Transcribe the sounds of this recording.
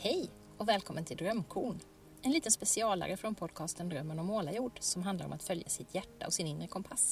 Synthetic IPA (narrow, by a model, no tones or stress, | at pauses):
hɛj | ɔvɛːlkʰɔmːənt̪ʰɪld̪ɾœmkʰuːɳ | ɛnliːt̪ənspɛsɪɑːla̰ɾəfɾɔnpʰɔd̪kʰɑːst̪ənd̪ɾœmːənɔmːoːlajuːɖsɔmɦand̪aɾɔ̰mat̪fœljasɪt̪ʰjæʈːa̰ɔsɪnɪnɾəkʰɔmpʰas